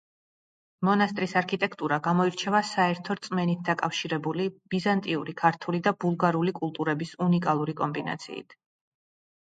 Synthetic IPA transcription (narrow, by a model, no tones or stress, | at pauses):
mɔnast̪ʼɾisaɾkʰit̪ʼɛkʰt̪ʼuɾaɡamɔiɾt͡ʃʰɛvasaɛɾt̪ʰɔɾt̪sʼmɛnit̪̚ʰd̪akʼafʃiɾɛbulib̥izant̪ʼiṵɾikʰaɾt̪ʰulid̪abulˠɡaɾulikʼulˠt̪ʼuɾɛbisunikʼalˠuɾikʼɔmbina̰t̪sʰḭːḭt̪ʰ